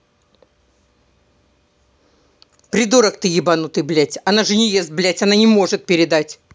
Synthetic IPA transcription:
pɾʲɪd̪uɾəkt̪ɨjɪbanut̪ɨblʲætʲɐnaʐɨnʲɪjest̪̚blʲætʲɐnanʲɪmo̞ʐɨt̪̚pʲɪɾʲɪd̪atʲ

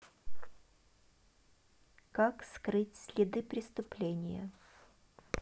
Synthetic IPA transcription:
kakskɾɨtʲsʲlʲɪd̪ɨpɾʲɪst̪ʊplʲenʲɪ̰jə̰

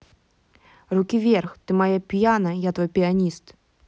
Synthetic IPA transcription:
rukʲivʲɛrxt̪ɨmajapʲjanɐjat̪vɔjpʲianʲist̪

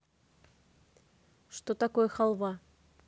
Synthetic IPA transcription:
ʃt̪ot̪akojəxɑlˠβɑ

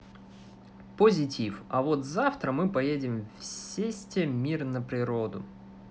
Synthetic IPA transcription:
pəzʲɪtʲifɐ̰vot̪zaft̪ɾəmɨpɐjedʲɪmfsʲesʲtʲɪmʲirnəpɾʲɪɾod̪ʊ̰

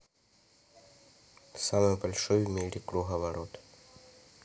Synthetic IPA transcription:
samɨjbalʲʂɔjmʲeɾʲikɾuɦɐvaɾɔt̪

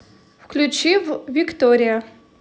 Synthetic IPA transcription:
fklʲut͡ɕivvʲikt̪oɾʲɪjɐ

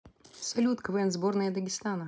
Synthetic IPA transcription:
sɐlʲut̪kəvɛnzbornəjəd̪əɡʲɪst̪anə

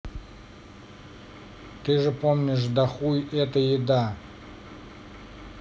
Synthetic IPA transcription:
t̪ɨʐɨpomnʲɪʂ̬d̪ɐxujʔɛt̪əjɪd̪a

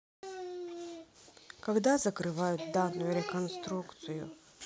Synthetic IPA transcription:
kɐɡd̪azəkɾɨvajʊt̪̚d̪anːʊjʊɾʲɪkɐnst̪ɾukt̪sɨjʊ̰

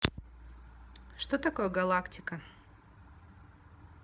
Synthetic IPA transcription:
ʂt̪ot̪ɐkojəɡɐlˠaktʲɪkə

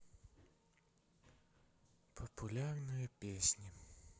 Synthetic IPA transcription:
pʰɐpʊlʲarnɨjɐpʲesʲnʲi

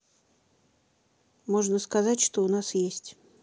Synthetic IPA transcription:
moʐnəskɐzatʲʂt̪oʊnasjesʲtʲ

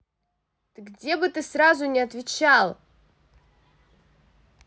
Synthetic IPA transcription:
t̪ɨɡdʲe̞bɨt̪ɨsɾazʊnʲɪɐt̪vʲɪt͡ɕalˠ

